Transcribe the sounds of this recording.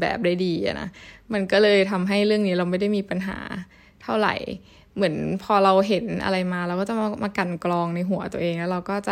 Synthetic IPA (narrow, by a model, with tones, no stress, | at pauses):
bɛ̰ː˨˩p̚da˥˩jdiː˧ʔa̰˨˩na̰˦˥ma˧nkɔː˥˩lɤː˧jt̪ʰa˧mɦa˥˩jɾɯ˥˩əŋniː˦˥ɾa˧wma˥˩jda˥˩jmiː˧pa˧nɦa̰ː˩˦ | t̪ʰa˥˩wɾa̰˨˩j | mɯ˩˦ənpʰɔː˧ɾa˧wɦe˩˦nʔa̰˧ɾa˧jmaː˧ɾa˧wkɔː˥˩t͡ɕa˨˩˧maː˧ka˨˩nklɔː˧ŋna˧jɦu˩˦ɐt̪u˧ʔeː˧ŋlɛ˦˥ɾa˧wkɔː˥˩t͡ɕa˨˩